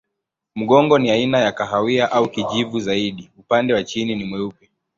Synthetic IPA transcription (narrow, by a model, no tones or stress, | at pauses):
m̩ɠɔŋɡɔniainajakaɦawiaʔaukiʄivuzaiɗiupandɛwat͡ʃininimwɛupɛ